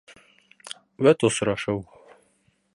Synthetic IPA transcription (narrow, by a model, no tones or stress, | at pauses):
wæt̪osɾɑʃɤw